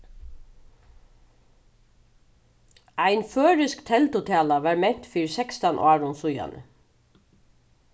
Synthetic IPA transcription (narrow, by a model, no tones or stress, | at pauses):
ajnføːɹɪskt̪ʰɛlt̪ʊt̪ʰæːlaʋaɹmɛɲ̥t̪fiːɾsɛkst̪anʔɑːɹʊnsʊja̰nʔə̰